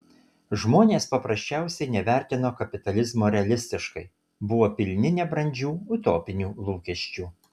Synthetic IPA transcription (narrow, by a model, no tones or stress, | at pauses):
ʒmoːnʲeːspɐpɾɐsʲt͡ʃʲæˑʊsʲɛɪnʲɛʋʲæˑɾʲt̪ʲɪnoːkɐpʲɪt̪ɐlʲɪzmoːɾʲɛɐlʲɪsʲt̪ʲɪʃkɐɪ | bʊʋoːpʲɪlʲnʲɪnʲɛbɾɐnʲd͡ʒʲuːʊt̪oːpʲɪnʲuːlˠuːkʲɛʃʲt͡ʃʲuː